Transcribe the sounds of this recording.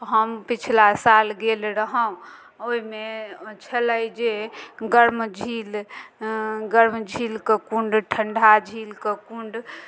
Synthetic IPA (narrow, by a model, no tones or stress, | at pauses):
ɦəmpit͡ʃʰlasalɡelɾəɦəũ | oimet͡ʃʰələjd͡ʒeɡəɾmd͡ʒʱil | ɡəɾmd͡ʒʱilkekũɳɖʈʰəɳɖʱad͡ʒʱilkekuɳɖ